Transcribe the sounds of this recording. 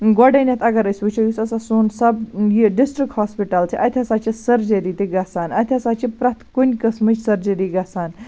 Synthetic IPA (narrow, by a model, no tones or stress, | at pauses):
ɡoɖɐnʲɐt̪ʰɐɡɐɾɐsʲʋɨt͡ʃʰojusɐsasuːnsɐbjiɖisʈɾikʈhaːspiʈɐlt͡ʃʰiʔɐt̪ʰʲɐsat͡ʃisɐɾd͡ʒɐɾit̪iɡɐsaːnɐt̪ʰʲɐsat͡ʃipɾɐt̪ʰkunʲkɐsmɨt͡ʃsɐɾd͡ʒɐɾiɡɐsaːn